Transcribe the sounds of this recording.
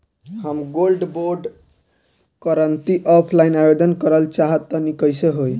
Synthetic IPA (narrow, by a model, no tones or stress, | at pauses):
ɦəmɡolɖboɾɖ | kəɾənt̪iʔɔpʰlainabed̪ənkəɾəlt͡ʃaɦət̪ːənikəjseɦoj